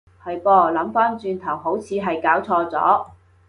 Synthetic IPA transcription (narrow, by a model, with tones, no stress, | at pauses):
hɐ˨jpɔː˧lɐ˨˧˥mfaː˥nt͡ʃyː˨˧nt̪ʰɐ˨˩wɦo˨˥wt͡sʰiː˨˧ɦɐ˨jkaː˨˥wt͡sʰɔː˧t͡sɔ̰ː˨˥